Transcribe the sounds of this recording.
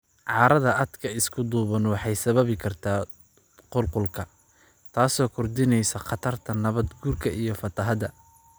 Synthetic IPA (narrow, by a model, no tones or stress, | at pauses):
ʕɑːɾɐðɐʔɐd̪kʰɐɪskʰʊd̪uːβɐnwɑħɑjsɐβɐβɪkʰɐrt̪ʰaː | qʊlqʊlkʰɐ | t̪ʰaːsɔːkʰʊrd̪ɪnɛjsɐqɑt̪ʰɐrt̪ʰɐnɐβɐd̪ɡuːrkʰɐʔijɞfɐt̪ʰɐɦɐðɐ